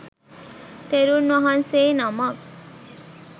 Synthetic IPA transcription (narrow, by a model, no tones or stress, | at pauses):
t̪eɾunʋɐɦɐnseːnɐmɐ